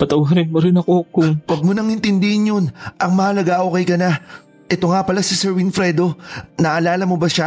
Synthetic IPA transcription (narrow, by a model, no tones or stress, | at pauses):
pɐt̪ɐwɦɐɾɛn̚mɐɾɪnɐkokʊŋwɐɡ̚monɐŋɪnt̪ɪnd̪ɪhɪnjonʔɐŋmɐhɐlɐɡaʔoːkɛjkɐna | ʔɛt̪o̞ŋapɐlasɪsɛɹwinfɾɛd̪o̞nɐʔɐlaːlɐmobɐʃa